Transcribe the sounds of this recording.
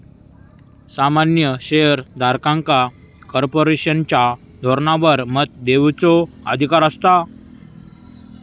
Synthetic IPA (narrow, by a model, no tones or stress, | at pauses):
samanjəɕejəɾd̪ʱaɾkãŋka | kɔɾpoɾeɕənt͡ɕja | d̪ʱɔɾnaʋəɾmət̪̚d̪eʋt͡sɔə̰d̪ʱikaɾəst̪a